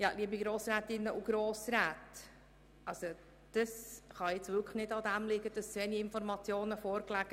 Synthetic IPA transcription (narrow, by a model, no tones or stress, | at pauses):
jɑliəbiɡɾoːsɾæːt̪ɪnːəʔuɡɾoːsɾæːt | ʔɑlso | d̥əsχɑjɪt͡sʋʏkχnɪdɑd̪æmlɪɡəd̥ɑsʋɛniɪnfɔɾmɑt͡sjoːnəfoːɾklæɡ̥ə